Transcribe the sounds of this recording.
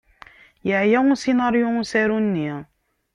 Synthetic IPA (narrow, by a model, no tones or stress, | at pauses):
jaʕjasinɑɾjusæɾunːi